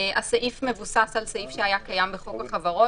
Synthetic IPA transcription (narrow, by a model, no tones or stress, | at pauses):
asaʔifme̞vusasalsaifʃeajakajambeχokaχavaʁo